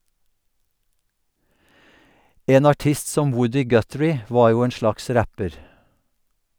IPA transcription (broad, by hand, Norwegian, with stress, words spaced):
ˈʔeːn ɑˈʈɪst ˈsɔm ˈwʊdɪ ˈɡœtɹɪ ˈʋɑːɹ ˈjuː ˈeːn ˈʃlɑks ˈɾæpəɾ